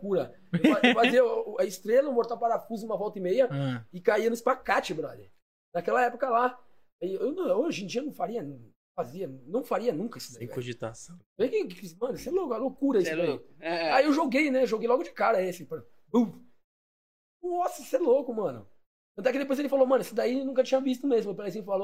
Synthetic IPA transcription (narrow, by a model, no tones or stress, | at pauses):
kuɾɐ | ewfaefaziɐɐɪst̪ɾelɐmoɾt̪awpaɾafuzũmɐvɔwt̪ɐɪmejɐɪkaiɐnʊɪspakat͡ʃɪbɾa̰lɪ̰ | nakɛlɐɛpokɐla | aiewmɐ̃oʒẽd͡ʒiɐnɐ̃w̃faɾiɐñ | faziɐ̃nɐ̃w̃faɾiɐnũkɐisɪeẽa̰oʒit̪asɐ̃vekɪkɪfismɐ̃nsɛlokʊɛlokuɾɐisseʊaiewʒoɡejnɛʒoɡejlɔɡʊd͡ʒɪkaɾɐesɪpɾɐ | bu | ɔsɐsɛlokʊmɐ̃nʊ̰ | ɐ̃t̪ɛkɪd̪epojzelɪfalomɐ̃nʊesɪd̪aiwnũkɐt͡ʃĩɲɐvist̪ʊmezmʊmewp̬elajzĩɲʊfalo